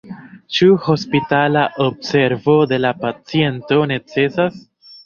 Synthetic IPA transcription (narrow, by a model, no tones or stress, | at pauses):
t͡ʃuho̞spitalaʔobse̞ɾvo̞de̞lapat͡sie̞nto̞ne̞t͡se̞sas